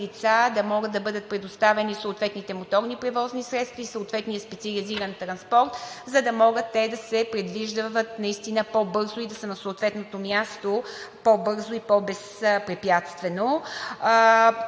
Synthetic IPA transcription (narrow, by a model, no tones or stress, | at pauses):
lit̪sad̪ɐmɔɡət̪d̪ɐbɤd̪ət̪̚pɾɛd̪ost̪avɛnisoːt̪vɛt̪nit̪ɛmot̪ɔɾnipɾɛvɔznisɾɛt̪st̪viːsoːt̪vɛt̪nijəspɛt̪siɐliziɾənt̪ɾɐnspɔɾt̪zɐd̪ɐmɔɡət̪ːɛd̪ɐsɛpɾɛd̪viʒd̪əvət̪nɐist̪inəpobɤɾzʊid̪ɐsənɐsoːt̪vɛt̪not̪omjast̪opobɤɾzoipɔbɛspɾɛpjat̪st̪vɛno